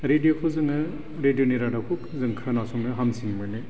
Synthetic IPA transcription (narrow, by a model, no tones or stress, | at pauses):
ɾedijokʰɔzɯŋɯ | ɾedijoneɾadakʰukzɯŋkʰanasɔŋnɯɦamsiŋmɯne